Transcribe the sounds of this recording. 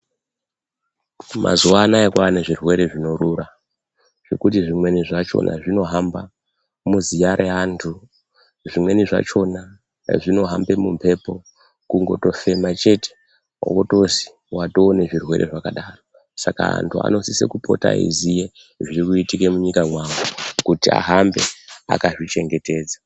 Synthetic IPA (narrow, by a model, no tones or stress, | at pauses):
mʔa̰zuwanaekwaneʐirwe̞ɾe̞ʐino̞ɾuɾa | ʐ̥e̞kutiʐimwe̞niʐat͡ʃo̞̰nʔa̰ʐino̞ɦamba | muzijaɾʔeɦantʰu | ʐimwe̞niʐa̰t͡ʃo̞na | ʐino̞ɦambe̞mumpʰe̞po̞ | kuŋɡo̞to̞fe̞mat͡ʃe̞te̥̰ | woto̞zi̥ | wato̞ːneʐirwe̞̰ɾʔe̞̰ʐakaɗaːro̞ | saka̰a̰ntʰua̰no̞sise̞̰kupo̞̰ta̰ḭzije | ʐiɾikuitike̞muɲikamwawokutia̰ɦambe̞a̰kaʐit͡ʃe̞ŋɡe̞te̞ːd͡za